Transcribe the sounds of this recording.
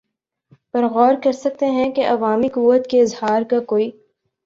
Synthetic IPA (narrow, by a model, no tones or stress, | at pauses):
pɐɾɣɔːɾkɐɾsɐk̚t̪eɦɛ̃keʔɐʋaːmikʊʋət̪keɪzhaːɾkakoːiː